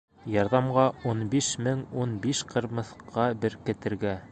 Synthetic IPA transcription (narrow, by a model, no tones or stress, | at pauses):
jɑɾðɑmɢɑunbiʃmɘŋunbiʃqʰɤ̆ɾmɤ̆θqʰɑbɘɾkɘ̆t̪ɘ̆ɾɡæ